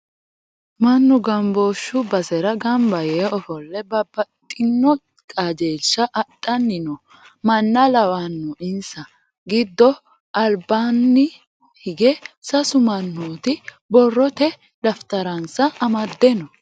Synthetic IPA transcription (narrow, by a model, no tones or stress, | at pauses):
mɐnːʊɡɐmboːʃːʊbɐsɛɾɐɡɐmbɐjeɔfɔlːɛbɐbɐt̪ʼːɪnːɔ | kʼad͡ʒeːʃːɐʔɐt̪ʼːɐnːɪnɔ | mɐnːɐlɐwanːɔʔɪnsɐ | ɡɪd̪ːɔ | ʔɐlbanːɪ | hɪɡɛsɐsʊmɐnːoːt̪ɪ | bɔrːɔt̪ɛ | d̪ɐft̪ɐɾɐnsɐʔɐmɐd̪ːɛnɔ